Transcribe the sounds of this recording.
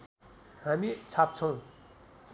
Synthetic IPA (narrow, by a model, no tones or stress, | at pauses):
ɦamit͡sʰap̚t͡sʰoŋ